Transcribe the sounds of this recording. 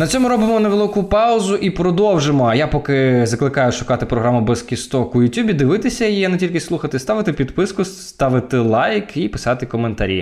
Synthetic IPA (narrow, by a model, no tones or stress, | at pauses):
nɐt͡sʲsʲɔmʊɾɔbɪmɔneʋelˠɪkʊpɑʊzʊʔipɾɔd̪ɔwʒemɔɐjapɔkɪzɐklˠɪkɑjʊʂʊkɑt̪ɪpɾɔɦɾamʊbɛskʲist̪ɔkʊjʊtʲubʲid̪ɪʋɪt̪ɪsʲɐjjijɛnetʲilʲkɪslˠuxɐt̪ɪst̪ɑʋɪt̪ɪpʲid̪pɪskʊsst̪ɑʋɪt̪ɪlˠɑjkʰipɪ̥sɑt̪ɪkɔment̪ɐɾʲḭ